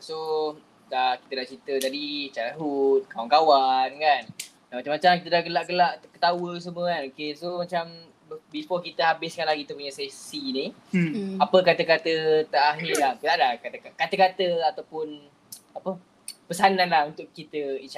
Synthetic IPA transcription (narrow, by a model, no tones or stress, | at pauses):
so | dakit̪ədaʔt͡ʃɾit̪ət̪adit͡ʃaɾaɦut̪̚kawankawankan | damat͡ʃamat͡ʃakit̪ədaɡəlaʔɡəlaʔkət̪awəs̬əmwə̃kanokesomat͡ʃam | bispɔkit̪əɦabɪskanlahkit̪əpuɲasɛsini | apəkat̪əkat̪ət̪aaɦilahkt̪aʔdakat̪kakat̪əkat̪əat̪awpʊn | apə | pəsananlahunt̪ʊʔkːit̪əit͡ʃ